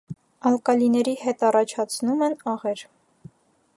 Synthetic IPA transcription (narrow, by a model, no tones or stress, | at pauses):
ɑlkɑlinɛɾihɛt̪ɑrɑt͡ʃʰɑt͡sʰnumɛnɑʁɛɾ